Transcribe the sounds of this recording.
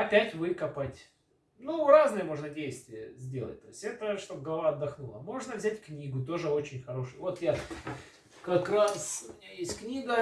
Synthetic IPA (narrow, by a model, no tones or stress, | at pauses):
ɐpʲætʲvɨkɐpətʲ | nuraznɨjəmo̞ʐnədʲejst̪vʲɪjəzʲdʲe̞lˠət̚ʲt̪o̞jɪsʲtʲɛt̪əʂt̪o̞b̚ɡəlˠɐvaɐd̪ːɐxnulˠəmo̞ʐnəvzʲætʲknʲiɡʊt̪̬o̞ʐɨo̞t͡ɕɪnʲxɐɾo̞ʂɨjvo̞t̪ja | kɐkrasʊmʲɪnʲajesʲtʲknʲiɡə